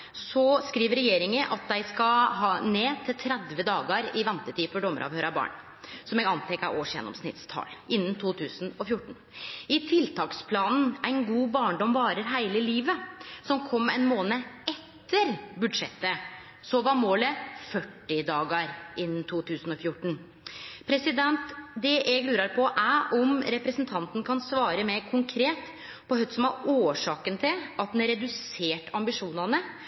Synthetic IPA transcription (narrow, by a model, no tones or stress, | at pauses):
sɔskɾiːʋəɾɛjeːɾɪŋəʔɑt̪̚d̪æɪskɑɦɑːneːt̪ʰɪlt̪ʰɾɛd̪ʋəd̪ɑːɡəɾɪʋɛnt̪ət̪ʰiːfɔɖɔmːə̰ɾʔɑ̰ʋhøːɾɑbɑ̰ːɳ | sɔmɛɡɑnt̪ʰɛkːæ̰ʔoːʂjɛ̰nːɔ̰msnɪ̰t̪st̪ʰɑ̰ːlʔɪnːnt̪ʰuːt̪ʰʉːsn̩ɔfjʊʈːɳ̩ | ɪt̪ʰɪlt̪ʰɑːkspʰlɑːnn̩æɪnɡuːbɑːɳɖɔmʋɑːɾəɾɦæɪləɪliːʋəsɔmkʰɔmːɛnmoːnəɛt̪ːəɾbʉd̪ʂɛt̪ːə | sɔʋɑɾmoːləfœʈːɪd̪ɑːɡəɾʔɪnːt̪ʰuːt̪ʰʉːsn̩ɔfjʊʈːɳ̩ | pʰɾɛsɪd̪ɛnt̪d̪ɛʔɛɡlʉːɾɑɾpʰɔʔæʔɔmɾɛpɾɛsnt̪ʰɑnt̪n̩kʰɑnsʋɑːɾəmeɾkʰʊŋkʰɾeːt̪ | pʰɔhœt̪sɔmɑɾoːʂɑːkənt̪ʰɪlʔɑt̪̚d̪ɛnɾɛd̪ʉseːʈɑmbɪʂuːnɑnə